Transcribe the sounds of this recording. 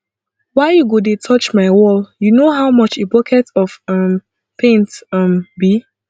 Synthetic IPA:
waɪjuɡodetʰɔt͡ʃmaɪwɔljunoɦawmɔt͡ʃebɔkʰɛtɔfɔ̃m | pʰẽntʌ̃mbi

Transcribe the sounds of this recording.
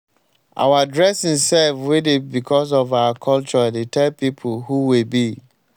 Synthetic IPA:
ʔa̰wadɹɛsĩnsɛlfwidɪt̚bikʰɔs̬ɔvawakʰɔlt͡ʃɔdetʰɛlpipʰulhuwibi

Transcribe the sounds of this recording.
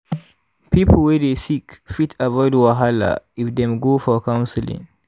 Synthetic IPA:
pʰipl̩wedesikfitʰavɔɪdwaɦala̰ɪfdɛ̃mɡofɔkãw̃nsɪlɪ̰̃ŋ

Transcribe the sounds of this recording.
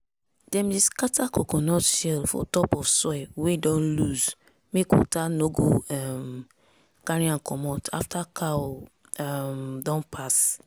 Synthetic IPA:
dɛ̃miskatʰakokɔnɔtʃɛlfɔ̰tɔpɔfsɔɛwedɔ̃nluz | mekwɔ̰tanoɡoɛm | kaɹĩãnkʰɔmɔtʰa̰ftʰakʰa | ɛmdɔ̃npʰas

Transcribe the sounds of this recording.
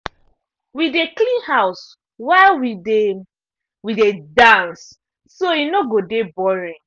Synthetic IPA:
wideklĩnhaʊs | waɪlwide | widedãnsː | oinoɡodebɔɹĩn

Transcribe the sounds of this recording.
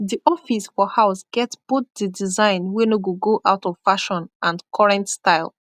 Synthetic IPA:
ðiʔɔfisfɔhaʊsɡ̥ɛtb̥ot̚didizãɪ̃nwɛnoɡuɡoʔaʊtɔv̥faʃɔ̃nʔãnkʰɔɹɛ̃ntstaɪlˠ

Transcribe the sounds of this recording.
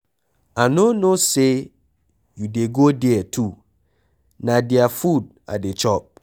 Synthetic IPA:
anonose | judeɡodɛɛtʰu | nadiafud̚ | a̰det͡ʃɔp̚

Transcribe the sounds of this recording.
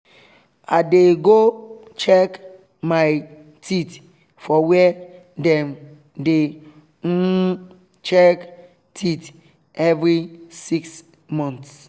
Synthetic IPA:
adeɡot͡ʃɛk | maj | tʰit | fɔwɛ | dɛ̃m | de | t͡ʃɛk | tʰit | ɛvɾisiks | mɔ̃nts

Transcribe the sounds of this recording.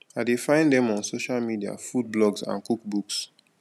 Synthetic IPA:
aɪdefãɪ̃ndɛ̃mɔ̃nsoʃalmidia̰fud̚blɔɡsã̰nkukbuks

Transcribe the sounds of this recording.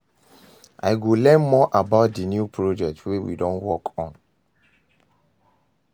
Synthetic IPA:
ʔa̰ɪɡolɛ̃nmɔʔabaʊt̚dinjupʰɹod͡ʒɛk̚twewḭdɔ̃nwɔkʰɔ̃n

